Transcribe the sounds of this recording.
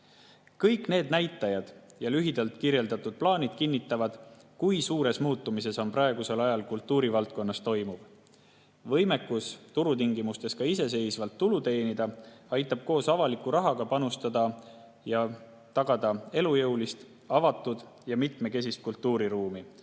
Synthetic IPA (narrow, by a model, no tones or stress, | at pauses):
kɤjkne̞ːd̪̚næjt̪ːˑɑjɑd̪̥jɑlyɦid̪̥ɑlt̪ˑkirje̞ld̪ɑt̪ːˑud̪̥̚plɑːnʲid̪̥kinːit̪ːˑɑvɑd̪̥kujsuːɾe̞smuːt̪ːˑumise̞so̞mprɑeɡ̥use̞lɑjɑlkult̪ːˑuːɾivɑlt̪̚ko̞nːɑst̪o̞jmuv̥ | vɤ̞jme̞kːˑust̪uɾut̪iŋɡimust̪e̞skɑise̞s̬e̞jsvɑlt̪ːulut̪e̞ːnid̪̥ɑɑjt̪ːˑɑb̥̚ko̞ːsɑvɑlikːuɾɑɦɑɡ̥ɑpɑnust̪ɑd̪ɑ | jɑ | t̪ɑɡ̥ɑd̪̥ɑe̞lujɤwlist̪ | ɑvɑt̪ːˑud̪̥ | jɑmit̪me̞ke̞s̬ist̪̚kult̪ˑːuːɾiɾuːmi